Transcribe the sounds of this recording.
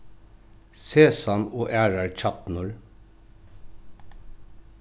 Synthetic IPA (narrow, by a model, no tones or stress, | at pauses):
seːsɑnoːʔæːɹɑɹc͡çɑt̪nʊɹ